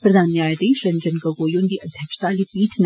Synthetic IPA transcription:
pɾɐd̪ʱaːnːjaːjət̪iʃɐ̃ɲd͡ʑənkəɡoːjõnd̪iːʔɐd̪ʱjəkʃt̪alipiːʈʰn

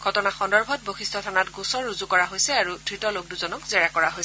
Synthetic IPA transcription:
ɡʱɔtɔnaxɔndɔɹbʱɔt̚boxistʰɔtʰanatɡũsɔɹːuzukɔɹaɦojsɛaɹud̥ʱɹitɔlok̚duzɔnɔkzɛɹakɔɹaɦojsɛ

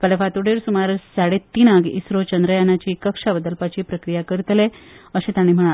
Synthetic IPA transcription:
pəlefat̪uɽeɾsumaɾsaɽet̪ːinaɡḭsɾot͡ɕənd̪ɾəjanat͡ɕiːkəkʂabəd̪əlpat͡ɕiːpɾəkɾijakəɾt̪leəɕẽt̪aɽ̃im̤əɽ̃a

